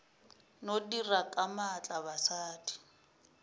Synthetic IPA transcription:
nodirakʼamat͡ɬʼabasaːdi̥

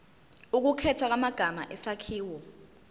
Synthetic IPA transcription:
uk̬ukʰɛtʰwak̬amaɡ̥ʱama̰ʔɛsakʰiːwɔ

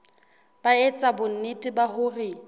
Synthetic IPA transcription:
baet͡sʼabʊn̩nitʼɪbahʊrɪ

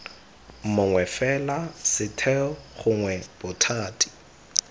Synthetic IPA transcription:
m̩mʊŋwɛfɛlasɪtʰɛχʊŋwɛb̥ʊtʰaːtʰʼi̥

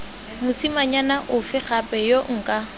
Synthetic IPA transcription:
mʊsimaɲanaʔʊfɪχapʼɛjoŋ̩kʼa

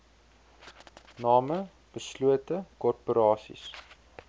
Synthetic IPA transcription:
nɑːmə | b̥əsluətəkɔrpoɾɑːsḭs

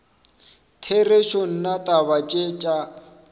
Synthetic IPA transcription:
tʰereʃon̩natʼaβat͡ʃʼet͡ʃʼa

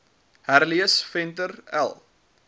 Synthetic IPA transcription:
hærliəsfɛntəræ̰lˠ

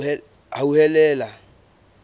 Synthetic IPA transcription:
ɛ | auhɛlɛːla

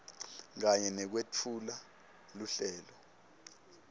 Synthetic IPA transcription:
k̬aɲɛnɛk̬wet͡fʰula | luɬɛːlɔ

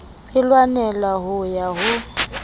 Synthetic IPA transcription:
ɪlwanɛlaɦʊjaɦʊ

